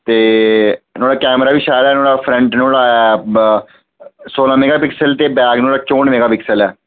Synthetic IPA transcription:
t̪eː | noːɽaːkɛːmɾaːʋiːʃaːlɛːnoːɽaːpʰɾɛ̃ɳʈnoːlaːɛ | soːlãːmeːɡaːpɪksəlt̪eːbɛːɡnoːlaːt͡ʃoːɳmeːɡaːpɪksəlɛː

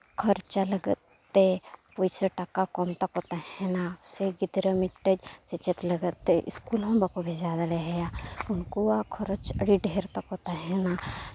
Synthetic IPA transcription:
kʰəɾt͡ʃalɐɡətt̪ːepujsəʈakakɔmt̪ɐkɦoːt̪aɦɛnaseɡid̪ɾəmiʈːəd͡ʒt͡ʃɐt͡ʃət̪lɐɡət̪ːeʔḭskulɦõmbakobʱizaːd̪aleɦɛjaunkuakʰɔɾot͡ʃə̰ɽiɖeːɾt̪ɐkɦoːt̪aɦɛna

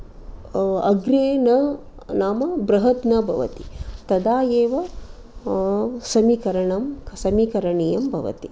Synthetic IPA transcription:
ɐ̰ɡɾeːnɐ | naːmɐbɾɐɦɐt̪nɐbʱɐʋɐ̰t̪it̪ɐd̪aːjeːʋɐ | sɐmikɐɾɐɳɐmsɐmikɐɾɐɳijɐmbʱɐ̰ʋɐ̰t̪i

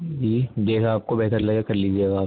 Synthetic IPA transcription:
d͡ʒiːd̪eːkʰaːp̚kobɛɦt̪əɾlɐɡekɐɾliːd͡ʒieːɡaaːp

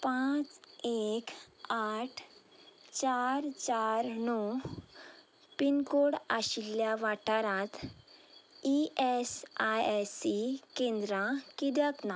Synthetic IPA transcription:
pãt͡sekaʈʰ | t͡ɕaɾt͡ɕaɾnɔ | pinkoɽa̰ɕilːjaʋaʈaɾãt̪ | iʔesajsikẽnd̪ɾãkiɾjakna

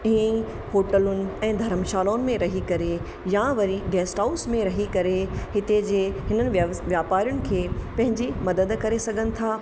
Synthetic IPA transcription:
ĩːi | hoːʈəlʊnɪ̆ɛ̃ːd̪ʱɐɾəmʃaːlaːʊnɪ̆mẽɾɐɦikɐɾe | jaʋɐɾiɖeːsʈaʊsmẽɾɐɦikɐɾeɦɪt̪ed͡ʑeːɦɪnənɪ̆ʋjaːpaːɾjʊnɪ̆kʰeːpɐ̃ɦɪ̃ɲd͡ʑimɐd̪əd̪kɐɾesɐɡʱənɪ̆t̪ʰaː

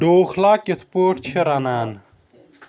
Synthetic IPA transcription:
ɖoːxlaːkit̪ʰpoːʈt͡ɕʰiɾanaːn

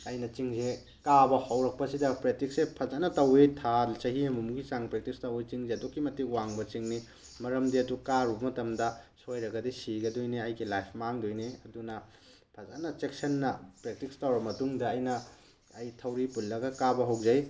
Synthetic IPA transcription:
ɐjnɐt͡ʃiŋze | kabɐhɐwɾɐk̚pɐsidɐpɾek̚tiksepʰɐzanɐtɐwetʰalt͡ʃɐɦihɐmumɡisaŋpɾek̚tikstɐwet͡ʃiŋzeɐdokːimɐtːiwaŋbɐt͡ʃiŋni | mɐɾɐmdiɐdukaɾubɐmɐtɐmdɐsojɾɐɡɐdisiɡɐdojniɐjɡilajpʰmaŋdojniɐdunɐ | pʰɐzanɐt͡ʃek̚sɐnːɐpɾek̚tikstɐwɾɐmɐtuŋdɐːjnɐː | jtʰɐwɾipulːɐɡɐkabɐɦɐwzɐj

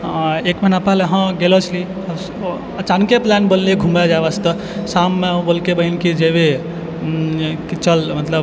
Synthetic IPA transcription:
ekmenapaleɦə̃ɡelɔt͡ʃʰli | ət͡ʃankeplanʈbəlːieɡʱumad͡ʒabast̪ə | samːeũbolkebəinkid͡ʒebe | kit͡ʃəlmət̪ləb

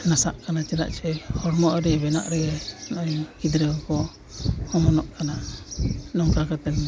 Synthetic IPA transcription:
nasaʔkanat͡ʃɛla̰ʔt͡ʃʰɛhɔɾmɔʔɾɛbɛna̰ʔɾɛɡɛnɔʔɔjkid̪ɾɛɡɔkɔ | hɔmɔnɔʔkana | nɔŋkakat̪ɛn

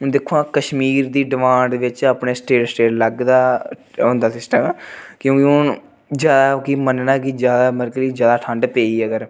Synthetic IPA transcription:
ɦʊnd̪ekʰoãːkəʃmiːɾd̪iːɖɪmãːɳɖʋɪt͡ʃəpɳeːsʈeːʈsʈeːʈləɡd̪aːond̪aːsɪsʈəmɛːkjõːkiʊn | d͡ʒjaːd̪aːkimənnãːkid͡ʒjaːd̪aːməɾkliːd͡ʒjaːd̪aːʈʰə̃ɳɖpeːiːəɡəɾ

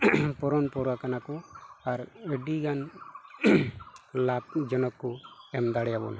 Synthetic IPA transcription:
pɔɾɔnpɔɾakanakɔaɾəɖiɡan | lab̚d͡ʒɔnɔkːɔɛmd̪aɽɛjabɔ̰na

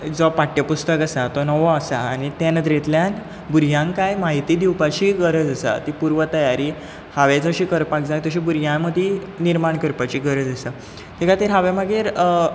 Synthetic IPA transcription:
d͡zɔpaʈjəpust̪əkasat̪ɔnɔʋɔasaːɽ̃it̪enəd̪ɾet̪ljan | buɾjãŋkajmaɦit̪iːd̪iwpat͡ɕiːɡəɾəd͡zəsa̰t̪ipuɾʋət̪əjaɾiː | haʋed͡zəɕiːkəɾpak̚d͡zajt̪əɕiːbuɾjãməd̪ʱi | niɾmaɳkəɾpat͡ɕiːɡəɾəd͡zəsa | t̪ʰikat̪eɾɦaʋeməɡeːɾ

